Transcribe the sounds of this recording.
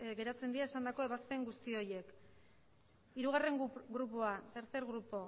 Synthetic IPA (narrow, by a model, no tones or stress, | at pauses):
ɡe̞ɾat͡se̞nd̪iaesand̪ako̞e̞βaspe̞ŋɡust̪io̞je̞k | iɾuɣ̞are̞ŋɡɾupoaseɾt͡s̪eɾɣɾupo̞